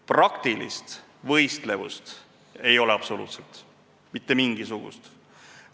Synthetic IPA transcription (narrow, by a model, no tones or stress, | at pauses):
prɑkt̪ilḭst̪ | vɤ̞jst̪le̞vṵst̪ | e̞jo̞leɑpso̞lṵːt̪selt̪ | mit̪ːemiŋɡ̥isuɡ̥ṵst̪